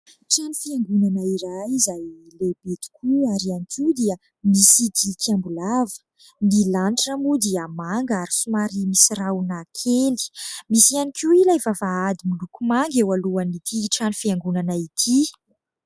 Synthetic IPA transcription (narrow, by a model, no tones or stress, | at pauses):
ʈ͡ʂanifiaŋɡunanaiɾajizajlebet̪i̥kʲuaɾianikʰid̪iə | misit̪ikʰambulavə̥ | nilanʈ͡ʂamud̪iamaŋɡaɾisumaɾimisirawnakʰeli̥misianikʰiilajvavaad̪imulukumaŋɡewaluanit̪ʰiʈ͡ʂanifiaŋɡunanait̪ʰi